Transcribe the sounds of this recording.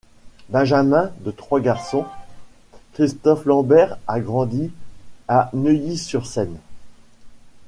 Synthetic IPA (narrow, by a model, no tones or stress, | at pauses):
bɛ̃ʒamɛ̃d̪ət̪χwaɡaʁsɔ̃ | kχist̪ɔflɑ̃bɛʁaɡʁɑ̃d̪ianəjisyʁsɛn